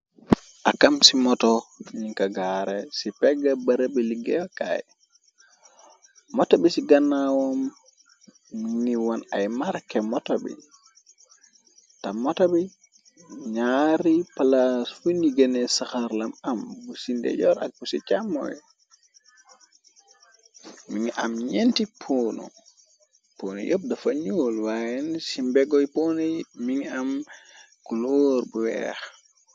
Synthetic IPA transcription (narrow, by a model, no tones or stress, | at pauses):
ʔakamsimɔtɔɲiŋkaɡaɾɛsipɛɡabaɾabɛliɡɛjɔka̰j | mɔtɔbisiɡanːawɔm | niwɔnajmaɾkɛmɔtɔbɛ̰ | tamɔtabɛ | ɲaɾipalasfuniɡɐnɛsaxaɾlamambusindɛ̰ɟɔɾa̰k̚busit͡ʃamːɔ̰j | miŋamɲentipʰoːnɔ̰ | poːnɔ̰jʔob̚dafaɲoːlwajɛnsimbɛɡɔjpɔnɛmiŋam | kuloːɾbuwɛ̰x